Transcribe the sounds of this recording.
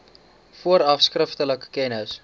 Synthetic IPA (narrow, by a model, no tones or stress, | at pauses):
fuəɾɐfskrəftələkə̥kɛnəs